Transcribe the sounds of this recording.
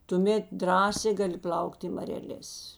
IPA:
tʊˈmʲeːt ˈdrɑːsʲeː ˈɡɑːˌlʲɪ ˈplˠɐʊktʲ ɪ mɐrʲɛˈlʲeːs

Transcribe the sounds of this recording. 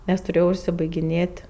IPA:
nʲɛs tʊˈrʲeːjɛʊ ʊʃʲsʲɪbɐɪɡʲɪˈnʲeːtʲ

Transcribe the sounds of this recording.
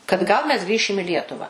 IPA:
kɐt ˈɡɐlˠ mʲɛs ˈɡrʲiːʃʲɪm ɪ ˈlʲiɛtʊʋɐ

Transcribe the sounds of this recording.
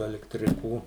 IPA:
ɐlʲɛktʲrʲɪˈkuː

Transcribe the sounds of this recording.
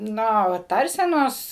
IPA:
ˈnoː ʋɐ ˈtɐrʲsʲɛnoːs

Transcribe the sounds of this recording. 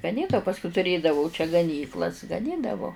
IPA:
ɡɐˈnʲiːt ɐ pɐsˈkʊɪ tʊˈrʲeːdɐʋɐʊ t͡ʃʲɛ ɡɐˈnʲiːklˠɐs ɡɐˈnʲiːdɐʋoː

